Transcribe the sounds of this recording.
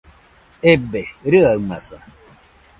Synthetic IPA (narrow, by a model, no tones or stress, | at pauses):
ebeɾɯamasa